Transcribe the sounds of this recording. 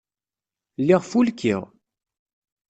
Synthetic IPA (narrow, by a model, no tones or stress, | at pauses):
lːiʁfulkḭʁ